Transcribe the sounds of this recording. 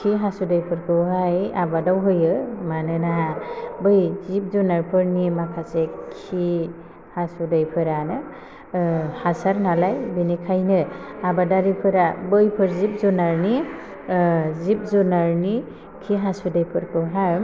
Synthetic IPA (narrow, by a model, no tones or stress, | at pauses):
kʰiɦasudɯjpʰɯɾkʰɯwɦajabadawɦɯjɯmanɯnaɦabɯjzip̚zunaɾpʰɯɾnimakʰasekʰi | hasudajpʰɯɾanɯ | hasaɾnalajbinikʰajnɯabadaɾipʰɯɾabɯjpʰɯɾzip̚zɔnaɾni | zip̚zunaɾni | kʰiɦasudɯjpʰɯɾkʰɯɦa